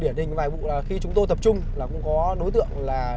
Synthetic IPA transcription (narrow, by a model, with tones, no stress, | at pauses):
ɗi˧˩ənhï˨˩ŋ̟vaː˨˩jɓṵ˧˨laː˨˩xi˧t͡ɕʊ˨˦ŋ͡mt̪o˧jt̪ə˨˩p̚t͡ɕʊ˧ŋ͡mlaː˨˩kʊ̰˧˥ŋ͡mkɔ˨˦ɗo˨˦jt̪ɨ̰˧˨əŋlaː˨˩